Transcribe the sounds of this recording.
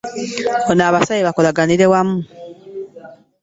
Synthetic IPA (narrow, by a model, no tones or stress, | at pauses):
onaːβasajeβako̞laɡaniɾe̞wamu